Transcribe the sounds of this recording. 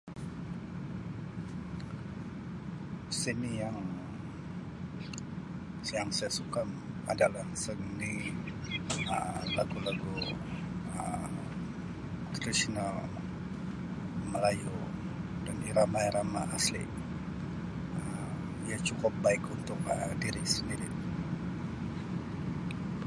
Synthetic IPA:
sinijaŋ | sjaŋsajasukam | a̰dalahsəɡəni | ə̰laɡulaɡu | ə̰m | t̪ɾisinal | məlaju | daniɾamajɾamaʔaslḭ | ə | ijat͡ʃukʊp̚baɪkunt̪ʊk̚əmdiɾɪksəndiɾi

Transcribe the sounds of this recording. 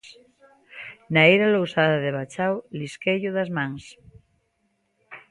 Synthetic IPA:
naejɾalowsaðaðeβat͡ʃawliskeʎuðazmãŋs

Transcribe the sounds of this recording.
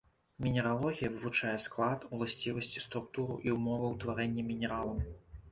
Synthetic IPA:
mʲinʲɛɾalˠɔɣʲijɐvɨvut͡ʂajɛsklˠat̪ulˠasʲt͡sʲivɐsʲt͡sʲi̥st̪ɾuk̚t̪uɾṵʔiumɔvɨwt̪vaɾɛnʲːɛmʲinʲɛɾalˠɐm

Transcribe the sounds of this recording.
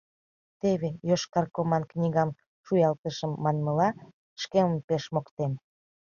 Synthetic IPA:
t̪eβejoʃkɑrkomɑnknʲiɣɑm | ʃujɑlt̪əʃəmːɑnməlɑ | ʃkeməmpeʃmokt̪em

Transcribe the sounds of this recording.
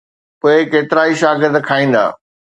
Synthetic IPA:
poːɪkeːt̪ɪɾaːiʃaːɡɪɾd̪kʰaːĩːn̆d̪a̰ː

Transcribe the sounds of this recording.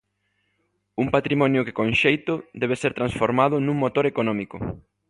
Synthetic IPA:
uŋpat̪ɾimɔnjʊkɪ̥kõnʃejt̪ʊd̪ɛβeseɾt̪ɾansfoɾmað̞ʊnũŋmot̪oɾekonɔmikʊ̰

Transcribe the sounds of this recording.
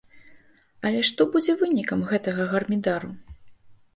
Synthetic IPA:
ɐlʲɛʂt̪ɔbud͡zʲɛvɨnʲikɐmɣɛt̪ɐɣɐɣɐrmʲid̪aɾu

